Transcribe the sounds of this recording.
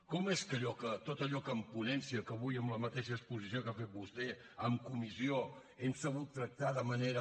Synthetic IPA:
kɔmeskəʎɔkət̪ot̪əʎɔkəmpunɛnsiəkəβujəmləmət̪eʃəːspuzisiokafet̪̚bust̪ɛ | əmkumisio | ɛmsəβ̞ut̪ːɾək̚t̪aðəməneɾə

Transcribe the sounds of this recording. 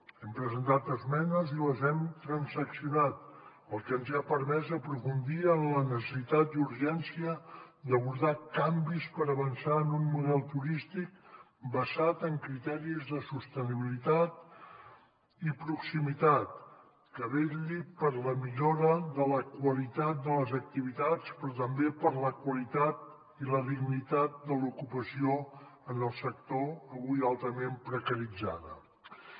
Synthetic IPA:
ɛmpɾəzənt̪at̪əzmɛnəziləzɛmt̪ɾənzəksiunat̪̚ | əlˠkɛmzapəɾmɛzəpɾufund̪iənlənəsəsit̪at̪uɾʒɛnsiə | d̪əβuɾðakambispəɾəβənsaənunmuðɛlˠt̪uɾist̪ik̚ | bəzat̪əŋkɾit̪ɛɾizðəsust̪əniβilit̪at̪ | ipɾuksimit̪at̪̚ | kəβeʎipəɾləmiʎoɾəðələkwəlit̪at̪̚d̪ələzək̚t̪iβ̞it̪at͡spɾɔt̪əmbepəɾləkwəlit̪at̪̚ | iləðiɣnit̪at̪̚d̪əlukupəsioənəlˠsək̚t̪oəɣujalˠt̪əmempɾəkəɾid͡za̰ðə̰

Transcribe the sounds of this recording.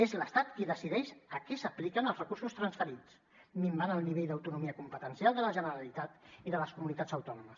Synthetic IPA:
ezləst̪at̪kiðəsiðɛʃəkɛsəplikənəlˠzrəkuɾsust̪ɾənsfəɾit͡s | mimbanəlˠniβejd̪əwt̪unumiəkumpət̪ənsjalˠd̪ələʒənəɾalit̪at̪iðələskumunit̪azəwt̪ɔnuməs

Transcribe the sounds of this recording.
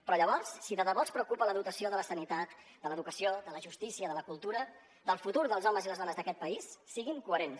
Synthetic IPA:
pɾɔʎəβɔrsːiðəðəβɔspɾəuwkupələðut̪əsioðələsənit̪at̪ | d̪ələðukəsioðələʒust̪isiəðələkulˠt̪uɾə | d̪əlˠfut̪uɾðəlˠzɔməziləzðɔnəzðəkɛt̪̚pəisːiɣiŋkuəɾens

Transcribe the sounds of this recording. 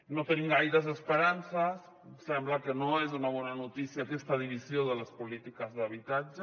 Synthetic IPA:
not̪eniŋɡajðazespeɾansas | semblakenoezunaβonanot̪isjakest̪aðiβisjoðelaspolit̪ikazðaβit̪ad͡ʒa

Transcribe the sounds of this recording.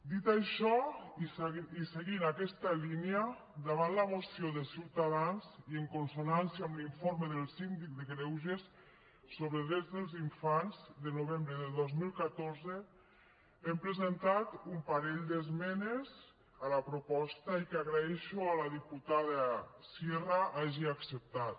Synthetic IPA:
d̪it̪aʃɔsiseɣinakɛst̪alinea | d̪aβ̞anlaβosjoðesiwt̪aðanzieŋkonsonansjamliɱfoɾmeðəlˠsind̪ik̚d̪eɣɾɛwʒesː | oβɾeðɾezðəlˠziɱfanzðənoβembɾəðəðozmilˠkat̪oɾze | empɾəzent̪at̪umpaɾɛʎd̪ezmɛnez | alapɾopɔst̪aikaɣɾaɛʃoalaðiput̪aðasjeraʔaʒiaksəp̚t̪at̪̚

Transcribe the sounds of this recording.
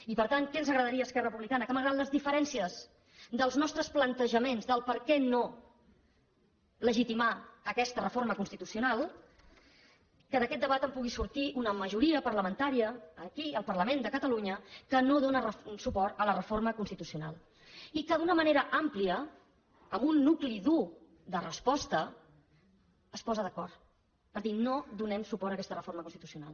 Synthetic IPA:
ipəɾt̪aŋkɛnzəɣɾəðəɾiəːskɛrəpuβlikanəkəməɣɾad̪ləzðifəɾɛnsiəz | d̪əlˠznɔst̪ɾəsplənt̪əʒəmenzðəlˠpəɾkɛno | ləʒit̪imaəkɛst̪ərəfoɾməkunst̪it̪usiunalˠ | kəðəkɛt̪̚d̪əβat̪əmpuɣ̞isuɾt̪iʔunəməʒuɾiəpərləmənt̪aɾiəːkiəlˠpərləmend̪əkət̪əluɲəkənoðonərəsupɔɾt̪ələrəforməkunst̪it̪usiuna̰lˠ | ikəðunəməneɾəʔampliə | əmbunːukliðu | ðərəspɔst̪ə | əspɔzəðəkɔrt̪ | pəɾðinod̪unɛmsupɔɾəkɛst̪ərəfoɾməkunst̪it̪usiuna̰lˠ

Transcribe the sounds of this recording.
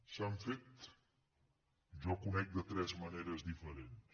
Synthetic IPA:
saɱfet̪ | ʒɔkunɛk̚d̪ət̪ɾɛzməneɾəzd̪ifəɾens

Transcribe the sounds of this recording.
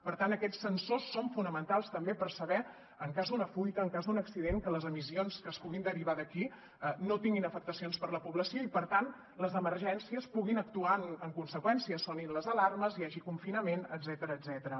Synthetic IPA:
pəɾt̪anəkɛt͡sːənsosːoɱfunəmənt̪alˠst̪əmbepərsəβɛ | əŋkazd̪unəfujt̪əːŋkazd̪unəksiðeŋkələzəmisionskəːspuɣind̪əɾiβ̞aðəki | ənot̪iŋɡinəfək̚t̪əsionspəɾləpuβləsioipəɾt̪an | ləzəməɾʒɛnsiəspuɣinək̚t̪uanəŋkunsəkwɛnsiəsoninləzəlarməzjaʒikuɱfinəmenəd̪zɛt̪əɾəːd̪zɛt̪əɾə

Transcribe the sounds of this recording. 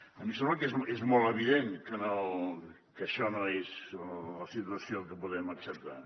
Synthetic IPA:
ɐmisɛmbləkezezmɔlˠəβiðenkəno | kəʃɔnoezləsit̪uɐsjokəpuðɛmɐksəp̚t̪a

